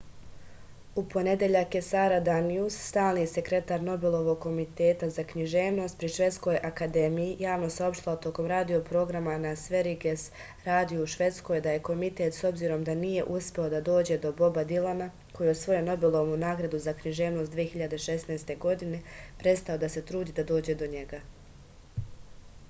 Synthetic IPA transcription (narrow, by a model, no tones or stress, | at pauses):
upo̞ne̞d̪eʎakːe̞saːɾad̪aniusːt̪aːlˠnise̞kɾe̞t̪aːɾno̞belˠo̞ʋo̞ɡkːo̞mit̪e̞ːt̪azakɲiʒe̞ːʋno̞ːst̪̚pɾiʃʋe̞t̪sko̞jʔakad̪e̞mijijaːʋno̞sao̞pʃt̪ilat̪o̞ko̞mɾaːd̪io̞pɾo̞ːɡɾamanasʋe̞ɾiɡes | ɾaːd̪ijouʃʋe̞t̪sko̞jd̪aje̞ko̞mit̪et̪so̞bziːɾo̞md̪anije̞̰ʔuspʲe̞o̞d̪ad̪o̞ːd͡ʑe̞d̪o̞bo̞bad̪ilana | kʰo̞jio̞sʋo̞jeno̞belˠo̞ʋmunaːɡɾad̪uzakɲiʒe̞ːʋno̞st̪d̪ʋije̞çiʎad̪e̞ʃe̞snajst̪e̞ɡo̞d̪ine̞pɾe̞t̪st̪ao̞d̪ase̞t̪ɾuːd̪iːd̪ad̪o̞ːd͡ʑe̞d̪o̞ɲe̞ɡa